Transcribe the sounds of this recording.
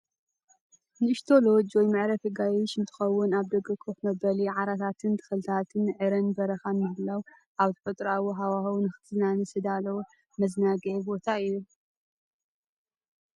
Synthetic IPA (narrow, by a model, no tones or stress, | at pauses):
nɨʃt̪ʰo̞lo̞d͡ʒwɔjmɨʕɾɐfɨɡajɪʃɨnt̪ʰɨ̥xɐwːʊnaβd̪ɐɡɨkʰoxmɐbɐliʕaɾat̪ʰat̪ʰɨnt̪ʰɨ̥xɨlɨt̪ʰat̪ʰɨnʕɨɾɐnbɐɾɐxanmɨhɨlaw | ʔaβt̪ʰɨħut̪ʼɾawoɦawahɐwnɨxɨ̥t̪ʰznanɨsɨd̪alɐw | mɐznaɡɐʕbo̞t̪ʰaɨju